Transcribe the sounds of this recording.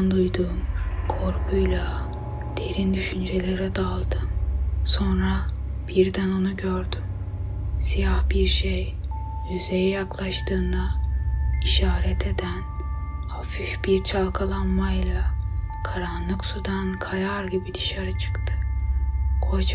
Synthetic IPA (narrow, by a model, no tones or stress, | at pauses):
nd̪ujd̪uːmkʰo̞ɾkʰujlˠa | d̪̥e̞ɾind̪yʃynd͡ʒe̞lʲe̞ɾɛd̪alˠd̪ɯmso̞nɾa | b̥iɾd̪æno̞nuɟøɾd̪ym | sijahbiɾʃej | jyzejɛjaklˠaʃt̪ʰɯːnd̪a | iʃaːɾɛt̪ʰe̞d̪æn | afifbiɾt͡ʃʰalˠkʰalˠanmajlˠakʰaɾanlˠɯksud̪ankʰajaɾɟibid̪iʃaɾat͡ʃʰɯ̥kt̪ʰɯ | kʰo̞t͡ʃ